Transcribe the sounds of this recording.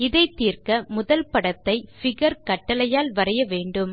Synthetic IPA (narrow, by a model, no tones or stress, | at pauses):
ɪðɐɪt̪ːiːrkɐmʊðɐlpɐɽɐt̪ːɐɪfɪɣɐɾkɐʈːɐlɐjaːlʋɐrɐjɐʋeːɳɖɯm